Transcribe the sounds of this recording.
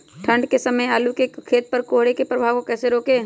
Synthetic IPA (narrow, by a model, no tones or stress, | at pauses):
ʈʰə̃ɳɖkesɐməjaːlukekʰeːt̪̚pɐɾkoːɦɽekepɾɐbʱaːʋkokɛːseɾoːkeː